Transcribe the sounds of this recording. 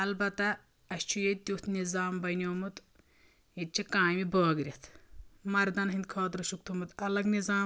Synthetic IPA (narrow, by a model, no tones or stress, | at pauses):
ɐlbɐt̪ɐ | ɐst͡ʃʰujet̪ʲjuːt̪nizaːmbɐnʲoːmut̪ | it̪̚t͡ʃʰikãːmiboːɡɾʲɐt̪ʰmɐɾd̪ɐnɦind̪̚kʰɔːt̪ɾɐʃuk̚t̪ʰumɨt̪ɐlɐɡnizaːm